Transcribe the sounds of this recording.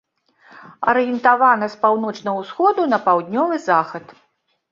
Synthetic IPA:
ɐ̰ɾɨjɛnt̪avanɐspawn̪ɔt͡ʂnɐɐwsxɔd̪unɐpawd̪ʲnʲɔvɨzaxɐt̪

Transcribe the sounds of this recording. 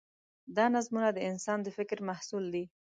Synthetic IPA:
d̪ɑnazmunad̪əɪnsɑnd̪əfɪkɾmahsuld̪i

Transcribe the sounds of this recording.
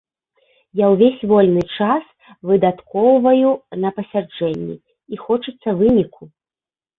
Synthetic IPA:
jawvʲesʲvɔlʲnɨt͡ʂas | vɨd̪at̪kɔwvɐjunɐpɐsʲard͡ʐɛnʲːḭ | ixɔt͡ʂɨt̪sːɐvɨnʲikʰu

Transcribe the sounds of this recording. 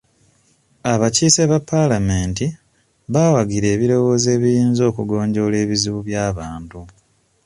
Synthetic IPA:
aβaciːseβapːalameːnti | βaːwaɡiɾe̞ːβiɾo̞wo̞ze̞ːβijiːnzo̞ːkuɡo̞ːɲɟo̞le̞ːβiziβuβjaːβaːntu

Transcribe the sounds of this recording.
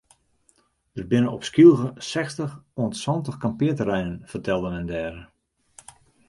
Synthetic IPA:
d̥ərbɪnəɔpskilˠɣəsɛxstəxoəntsɔntəxkampɪətərɛjnənfərtɛlˠdəmɛndɛːɾə

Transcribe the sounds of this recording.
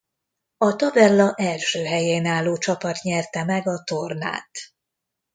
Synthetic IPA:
ɒt̪ɒbɛlːɒʔɛlʃøːɦɛjeːnaːlːoːt͡ʃɒpɒt̪ɲɛrt̪ɛmɛɡɒt̪o̞rna̰ːt̪

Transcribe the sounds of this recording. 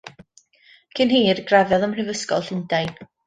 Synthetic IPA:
kʰɪnɦiːrɡravɛðəmr̥ɪvəskɔ̰lˠɬɪndajn

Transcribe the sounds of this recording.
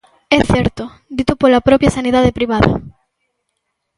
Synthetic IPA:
ɛθɛɾt̪o | d̪it̪opolapɾɔpjasaniðaðepɾiβaðɐ̰

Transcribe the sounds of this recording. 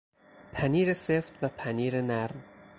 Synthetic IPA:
pʰæniːɾeseft̪væpʰæniːɾenæɾm

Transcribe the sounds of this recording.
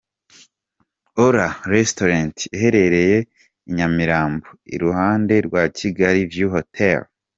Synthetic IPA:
oɾaɾestoɾantiɦe̞ɾe̞ɾe̞je̞ | iɲamiɾaːmboḭɾuhaːnde̞ɾɡwaciɡaɾivjuɦotʰel

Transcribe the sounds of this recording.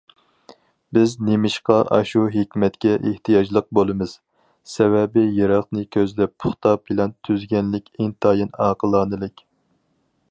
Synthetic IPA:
bɪznemɪʃqɑʔɑ̰ʃuɦekʲmɛt̪kʲɛʔḛht̪ʰijɑd͡ʒlˠəq̚bolˠɨmɨz̥ | sɛvɛbɪjeɾɑχnɨkʲʰøzd̪ɛpʰʊχt̪ʰɑpʰɨlɛnt̪ʰyzɡʲɛnlɪkʲeŋt̪ʰɑjinɑːqəlˠɑːnɨlˠɪkʲ

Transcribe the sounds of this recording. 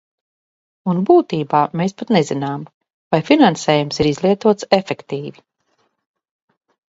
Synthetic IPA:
unbuːt̪iːbaːmeːspat̪nezinaːm | vajfinanseːjumsiɾizlˠiɛt̪uɔt̪sefekt̪iːvi

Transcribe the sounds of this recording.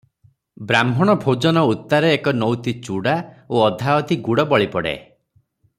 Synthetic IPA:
bɾambʱɔɽ̃ɔbʱod͡ʒɔnɔut̪ːaɾeːkɔnɔwt̪it͡ʃuɽaoɔd̪ʱaɔt̪iɡuɽɔbɔɭipɔɽḛ

